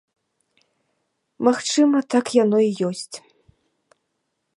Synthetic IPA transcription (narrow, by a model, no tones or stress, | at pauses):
maxt͡ʂɨmɐt̪akjanɔijɔsʲt͡sʲ